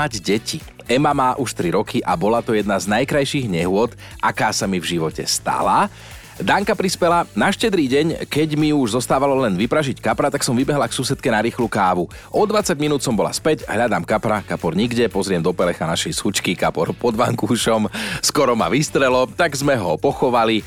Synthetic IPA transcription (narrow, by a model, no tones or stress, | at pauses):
aɟɟɛci | ɛmamaːʔuʃt̪ɾiɾɔkʰiʔabɔlat̪ɔjɛd̪naznajkɾajʃiɣɲɛɦʊɔt̪ | ʔakaːsamivʒiʋɔcɛ̰st̪a̰la | d̪aŋkapɾispɛlanaʃcɛd̪ɾiːɟɛɲkɛɟmiuʒzɔst̪aːʋalɔlɛnʋipɾaʒickapɾat̪aksɔmʋibɛɦlaksuːsɛt̪kɛnaɾiːxlukaːʋu | ʔɔd̪ʋat͡saɟminuːt̪sɔmbɔla̰spɛɟɦʎad̪aːmkapɾakapɔɾɲiɡɟɛpɔzɾɪɛmd̪ɔpɛlɛxanaʃɛjsut͡ʃkikapɔɾpɔd̪ʋaŋkuːʃɔmskɔɾɔma̰ʋist̪ɾɛlɔt̪aɡzmɛɦɔpɔxɔʋali